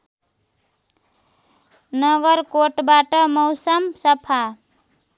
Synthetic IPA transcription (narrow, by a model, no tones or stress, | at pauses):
nʌɡəɾkoʈbaʈəmoʊsəmsəpʰa